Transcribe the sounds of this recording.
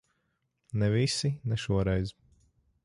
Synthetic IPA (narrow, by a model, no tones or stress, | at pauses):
nɛvisinɛʃuɔɾɛjz